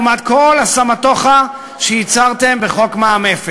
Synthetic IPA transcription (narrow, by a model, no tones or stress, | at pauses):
mad̪kolasamat̪o̞χa | ʃeit͡saʁt̪e̞mbeχo̞kmaːmefe